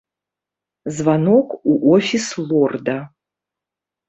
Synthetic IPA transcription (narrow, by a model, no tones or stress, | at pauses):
zvanɔkuʔɔfʲislˠɔrd̪ɐ